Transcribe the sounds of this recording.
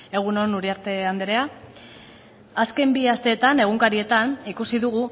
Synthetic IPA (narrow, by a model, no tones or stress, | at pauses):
e̞ɣ̞unonuɾiaɾt̪e̞and̪eɾea | aske̞mbiast̪e̞ːt̪ane̞ɣ̞uŋkaɾie̞t̪anikusiðuɣu